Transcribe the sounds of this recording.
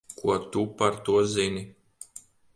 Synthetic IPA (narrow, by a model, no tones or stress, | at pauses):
kuɔt̪upaɾt̪uɔzini